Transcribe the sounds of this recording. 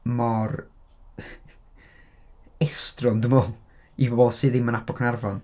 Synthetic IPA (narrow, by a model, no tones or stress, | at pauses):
mɔr | ɛstrɔndəmɔlˠ | ibɔbɔsɨːðɪmənapʰɔkʰənarvɔn